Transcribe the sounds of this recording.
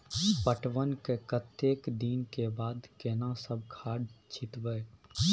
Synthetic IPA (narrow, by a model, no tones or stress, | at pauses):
pəʈʋənkekət̪ːeːkd̪iːnkebaːd̪kenãsəb̚kʰaːɽt͡ʃʰɪt̪ʋəː